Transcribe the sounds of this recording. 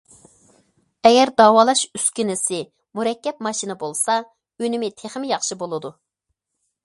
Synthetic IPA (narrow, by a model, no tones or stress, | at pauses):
ɛɡʲɛɾd̪ɑːwɑːlˠɑʃyskʲinɪsɪ | muɾɛkʲːɛp̚mɑʃinɨbolˠsɑ | ynɪmɪt̪ʰeχɪmɪjɑχʃibolˠɨd̪u